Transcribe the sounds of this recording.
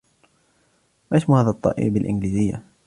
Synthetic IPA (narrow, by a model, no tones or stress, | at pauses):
mʔasmuhaːðat̪ˤːɑ̰ːʔḭːbalʔɪnliːzɪjːa̰